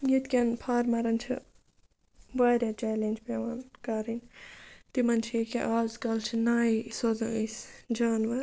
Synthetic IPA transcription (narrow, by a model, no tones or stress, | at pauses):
jit̪kʲɐnpʰaːɾmɐɾɐnt͡ʃʰḭ | bɐːɾʲat͡ʃɛːlend͡ʒpeʋankɐɾint̪imɐnt͡ʃʰiekḛʔaːlzɡɐlt͡ʃʰinaːisozɐ̃isd͡ʒaːnʋɐɾ